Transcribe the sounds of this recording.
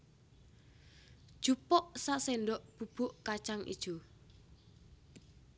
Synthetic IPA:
d̥ʒ̥upɔʔsasenɖɔʔb̥ṳb̥ʊ̤ʔkat͡ʃaŋʔḭd̥ʒ̥o

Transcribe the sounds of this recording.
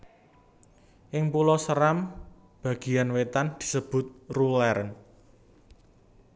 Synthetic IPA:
ʔɪŋpulɔsəɾam | b̥ä̤ɡ̥i̤janwet̪and̪̥i̥̤səb̥ʊ̤t̪̚rulɛɾən

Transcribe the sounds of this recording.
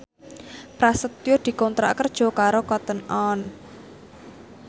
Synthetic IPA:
pɾasət̪jod̪̥i̤kɔnt̪ɾa̰kərd̥ʒ̥ɔ̤kaɾokɔt̪ənɔn

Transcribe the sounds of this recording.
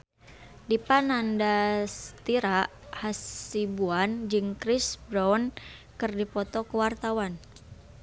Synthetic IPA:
dipanandast̪iɾahasibuand͡ʒɨŋkɾisbɾɔnkɨrdipɔt̪ɔkəwart̪awan

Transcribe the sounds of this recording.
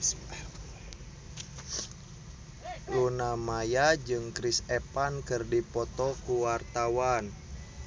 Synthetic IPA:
lunamajad͡ʒɨŋkɾisɛpankɨrdipɔt̪ɔkuwart̪awan

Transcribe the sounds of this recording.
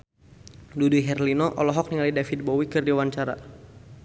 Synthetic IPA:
duduɦɛrlinɔʔɔlɔɦɔk̚niŋalidafit̪̚bɔwikɨrdiwaɲt͡ʃaɾa̰

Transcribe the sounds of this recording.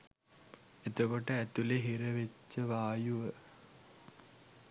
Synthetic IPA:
et̪okoʈəæt̪uleɦiɾɐʋet͡ʃːɐʋaːjuʋə

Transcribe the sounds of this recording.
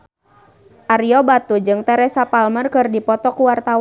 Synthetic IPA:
ʔaɾiɔbat̪ud͡ʒɨŋt̪ɛɾɛsapalmərkɨrdipɔt̪ɔkuwart̪aw

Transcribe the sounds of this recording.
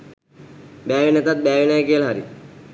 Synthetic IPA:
bæːʋinet̪at̪̚bæːʋinajəkijəlɐɦaɾḭ

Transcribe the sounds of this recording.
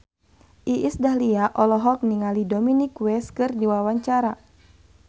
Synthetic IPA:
ʔiʔisdahliaʔɔlɔɦɔk̚niŋalidominikwɛskɨrdiwawaɲt͡ʃaɾa

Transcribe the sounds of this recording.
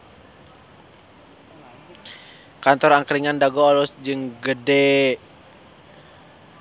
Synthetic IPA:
kant̪ɔɾaŋkɾiŋandaɡɔːlɔsd͡ʒɨŋɡədɛ

